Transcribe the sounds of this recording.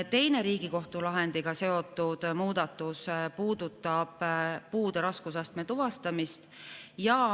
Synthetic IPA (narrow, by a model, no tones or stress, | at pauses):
t̪e̞jne̞ɾiːɡ̥iko̞ht̪ulɑɦend̪̥iɡ̥ɑse̞o̞t̪ːˑud̪̥muːd̪ɑt̪ːˑuspuːd̪̥ut̪ːˑɑb̥puːd̪̥eɾɑskusɑst̪met̪uvɑst̪ɑmist̪jɑ